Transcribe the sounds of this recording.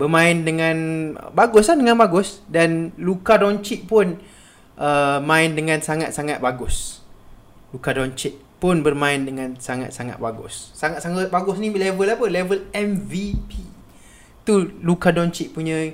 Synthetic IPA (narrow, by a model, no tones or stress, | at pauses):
bərmãɪndəŋãn̰baɡʊslahdəŋãnbaɡʊsdanlukadɔɲt͡ʃiʔ̚pʊn | ʔəmãɪndəŋãnsaŋat̪̚saŋat̪̚baɡʊs | lukadɔɲt͡ʃit̚pʊnbərmãɪndəŋãnsaŋa̰t̪̚saŋa̰t̪̚baɡʊ̰sːaŋat̪̚saŋʊt̪̚baɡʊsnilɛvəlapəlɛvəlɛmvipi | t̪ulukadɔɲt͡ʃiʔ̚puɲã